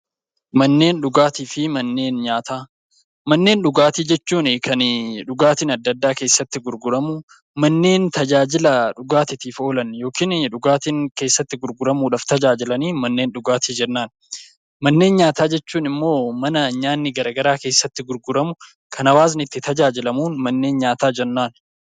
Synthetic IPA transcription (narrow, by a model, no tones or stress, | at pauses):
mɐnːe̞ːnᶑʊɡaːt̪iːfɪmɐnːe̞ːnɲaːt̪aː | mɐnːe̞ːnᶑʊɡaːt̪iːd͡ʒɛt͡ʃːuːnɪkʰɐnᶑʊɡaːt̪iːnɐd̪ːɐd̪ːaːke̞ːsːɐt̪ːɪɡʊɾɡʊɾɐmʊ | mɐnːe̞ːnt̪ɐd͡ʒaːd͡ʒɪlɐᶑʊɡaːt̪ɪt̪iːfo̞ːlɐnjo̞ːkiːnᶑʊɡaːt̪iːŋke̞ːsːɐt̪ːɪɡʊɾɡʊɾɐmuːᶑaːft̪ɐd͡ʒaːd͡ʒɪlɐniːmɐnːe̞ːnᶑʊɡaːt̪iːd͡ʒɛnːaːn | mɐnːe̞ːnɲaːt̪aːd͡ʒɛt͡ʃːuːnɪmːo̞ːmɐnɐɲaːnːɪɡɐɾɐɡɐɾaːke̞ːsːɐt̪ːɪɡʊɾɡʊɾɐmʊ | kʰɐnɐwaːsnɪt̪ːɪt̪ɐd͡ʒaːd͡ʒɪlɐmuːnmɐnːe̞ːnɲaːt̪aːd͡ʒɛnːaːn